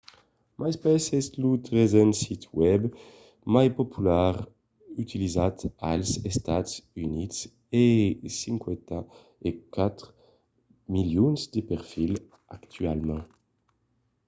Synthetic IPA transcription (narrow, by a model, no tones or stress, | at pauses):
mʔajspɛsɛslut̪ʁezɛ̃nsit̪wɛb | majpɔpʰylaʁ | yt̪ʰilizat̪a̰lzɛst̪at̪synit̪s | esĩŋkwɛ̃t̪a | ekat̪χ | miljɔnzd̪əpɛʁfil | akt̪ʰyalmɑ̃